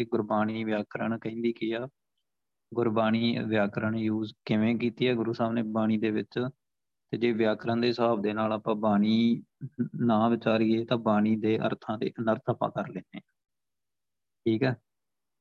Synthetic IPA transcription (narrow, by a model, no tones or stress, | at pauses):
ɪɡʊɾbaːniːʋjaːkɾəɳkəĩnd̪iːkɪjaː | ɡʊɾbaːniːʋjaːkɾəɳjuːzkɪʋẽːkiːt̪iːɛːɡʊɾuːsaːbneːbaːñiːd̪eːʋɪt͡ʃ | t̪eːd͡ʒeːʋjaːkɾãːd̪eːsaːb̚d̪eːnaːlaːpãːbaːniː | nãːʋɪt͡ʃaːɾiːeːt̪ãːbaːniːd̪eːʔə̰ɾt̪ʰãːd̪ḛːənəɾt̪ʰaːpã̰ːkəɾleːndeːaː | ʈʰiːkɛː